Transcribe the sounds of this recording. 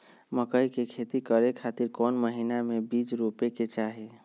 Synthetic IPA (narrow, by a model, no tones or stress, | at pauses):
məkəjkekʰet̪ikəɾekʰat̪iɾkɔnməɦinamebid͡ʒɾupeket͡ʃaɦe